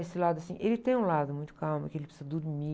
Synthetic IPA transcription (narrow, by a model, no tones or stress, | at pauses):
esɪlad̪ʊasĩʔelɪt̪ẽj̃ũlad̪ʊmũj̃t̪ʊ̥kawmɐkɪelɪpsi̥zɐd̪ʊɾmi